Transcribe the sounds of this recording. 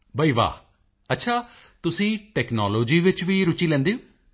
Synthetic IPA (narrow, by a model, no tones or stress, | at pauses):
bəiːʋa̰ː | ətːʃʰaː | t̪ʊsĩːʈɛːknaːloːd͡ʒiːʋɪt͡ʃʋiːɾʊt͡ʃiːlɛ̃ːnd̪eːõː